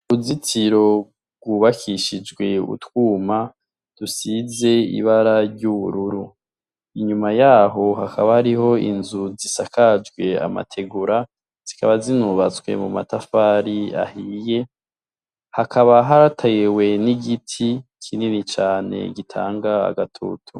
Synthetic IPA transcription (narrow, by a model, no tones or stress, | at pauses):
uzitʰiɾo̞ | bɡwuβakʰiʃid͡ʒɡwe̞ṵtwuːma | d̥usize̞ḭβaɾaɾɟuβuɾuɾu | iɲumajaːɦo̞ɦakʰaβahaɾiɦo̞ḭnzuzisakʰad͡ʒɡwe̞a̰ma̰tʰe̞ɡuɾa | z̥ikaβazinuβat͡swe̞̰muma̰tafaːɾia̰hije | hakʰaβaɦaɾatʰajewe̞niɡitʰikʰininit͡ʃaːne̞̰ɡitʰa̰ːŋɡaa̰ɡatʰo̰tʰṵ